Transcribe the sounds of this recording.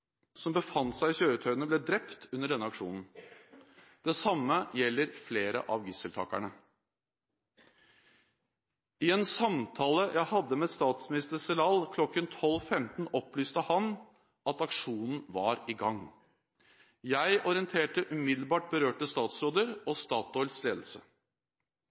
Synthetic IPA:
sɔmbəfɑnt̪sæɪɕøːɾət̪ʰœʏənəblɛd̪ɾɛpt̪ʉnːəɖɛnːəɑkʂuːnn̩ | d̪̥ɛsɑmːəjɛlːəɾfleːɾə̰ʔɑʋɡɪsəlt̪ʰɑ̰ːkæ̰ɳə | ɪɛnsɑmt̪ʰɑːləjʔæɪhɑd̪ːəmest̪ɑːt̪smɪnɪst̪əɾsɛlɑːlkʰlɔkːənt̪ʰɔlfɛmt̪n̩ɔplyːst̪əhɑn | ʔɑt̪ɑkʂuːnn̩ʋɑɾɪɡɑŋ | jæɪʔɔɾɪənt̪ʰeːʈəʔʉmɪd̪l̩bɑːʈ̚bəɾøːʈəst̪ɑːt̪sɾoːd̪əɾɔst̪ɑːt̪ɔlsleːd̪l̩sə

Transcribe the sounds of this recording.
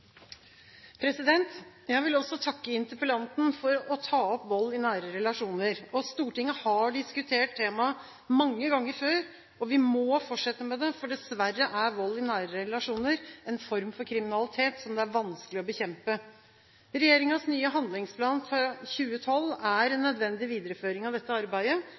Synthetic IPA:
pʰɾɛsɪd̪ɛnt̪ | jæɪʋɪlɔsɔt̪ʰɑkːəɪnt̪əpəlɑnt̪n̩fɔɾɔt̪ʰɑːɔpʋɔlːɪnæːɾəɾɛlɑʂuːnəɾɔst̪uːʈɪŋːəhɑɖɪskʉt̪ʰeːʈ̚t̪ʰːeːmɑ | mɑŋːəɡɑŋːəɾføːɾ | ɔʋɪmɔːfɔʈʂɛt̪ːəmɛd̪ɛfɔɖɛsʋærːəʔæɾʋɔlːɪnæːɾəɾɛlɑʂuːnəɾɛnfɔɾmfɔɾkʰɾɪmɪnɑlɪt̪ʰeːt̪sɔmd̪ɛæɾʋɑnsklɪɔbəçɛmpə | ɾɛjeːɾɪŋɑsnyːəɦɑnd̪lɪŋspʰlɑːnfɾɑçʉːət̪ʰɔlːæɾɛnːœd̪ʋɛnd̪ɪʋiːd̪əɾəføːɾɪŋɑʋd̪ɛt̪ːəɑɾbæɪə

